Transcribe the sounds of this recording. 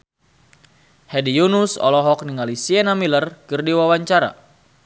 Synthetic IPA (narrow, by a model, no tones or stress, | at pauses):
hɛdijunusɔ̰lɔɦɔk̚niŋalisiɛnamilərkɨrdiwawaɲt͡ʃaɾa̰